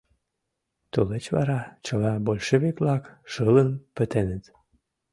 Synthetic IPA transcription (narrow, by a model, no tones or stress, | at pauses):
t̪olet͡ɕβɑ̰ɾɑt͡ɕəlɑbolʲʃeβeklɑkʃələnpət̪enət̪